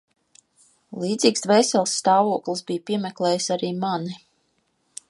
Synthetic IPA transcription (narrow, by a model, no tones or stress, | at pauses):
lˠiːd̪ziːksd̪vɛjsɛlˠsːt̪ɑːvuɔklˠisbijpʲiɛmɛklˠɛːjsaɾiːmani